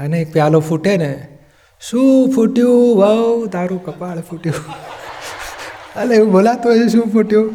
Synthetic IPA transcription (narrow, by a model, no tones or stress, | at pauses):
əneek̚pjalopʰuʈene | sũpʰuʈjuʋəwt̪aɾukəpaɭpʰuʈju | əleũbolat̪oeesũpʰuʈju